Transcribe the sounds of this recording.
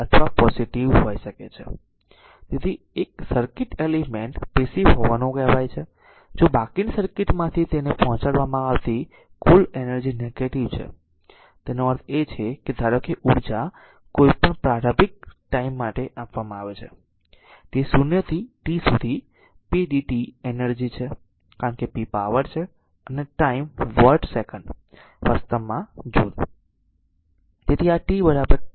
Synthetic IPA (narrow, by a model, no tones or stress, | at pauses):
ət̪ʰʋapɔsiʈiʋɦojʃəket͡ʃʰḛ | t̪et̪ʰi | ek̚səɾkɪʈelimeɳʈbesiɦoʋanũɡɛʋajt͡ʃʰe | d͡ʒobakinsəɾkɪʈmãt̪ʰit̪enepɔɦɔ̃t͡ʃaɽʋamãaʋt̪i | kulenəɾd͡ʒineɡeʈiʋt͡ʃʰḛ | t̪enoəɾt̪ʰet͡ʃʰeked̪ʱaɾokeʔuɽd͡ʒa | koipəɳpɾaɾəbɪk̚ʈaimːaʈeʔapʋamãaʋet͡ʃʰḛ | t̪esunjət̪ʰiʈisud̪ʱi | piɖiʈienəɾd͡ʒit͡ʃʰe | kaɾəɳkepipaʋəɾt͡ʃʰe | əneʈaimʋəɾʈsekəɳɖ | ʋəst̪əmːãd͡ʒod̪ | d͡ʒet̪ʰiaʈibəɾabəɾ